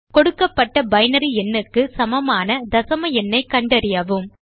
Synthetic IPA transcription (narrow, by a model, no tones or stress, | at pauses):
kɔɽɯkːɐpːɐʈːɐbɐɪnɐɾiɛnːɯkːɯsɐmɐmaːnɐd̪ɐsɐmɐjɛnːɐɪkːɐɳɖɐɾɪjɐʋɯm